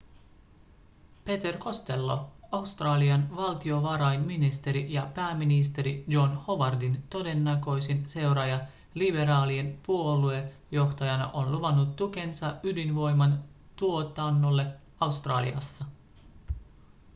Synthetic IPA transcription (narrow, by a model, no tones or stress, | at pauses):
pe̞t̪erko̞st̪e̞lːo̞̰ɑwst̪rɑːliɑnʋɑlt̪io̞ʋɑɾɑjnminist̪e̞ɾijɑpæːmːinist̪e̞ɾijo̞nho̞ʋɑrdint̪o̞de̞nːɑkø̞jsense̞wɾɑjɑ | libe̞ɾɑːlie̞npuo̞lue̞ | jo̞xt̪ɑjɑnɑ̰ʔo̞nluʋɑnːut̪ːuk̟e̞nsɑydinʋo̞jmɑnt̪uo̞t̪ɑnːo̞lːe̞ | ɑwst̪rɑːlḭɑ̰sːɑ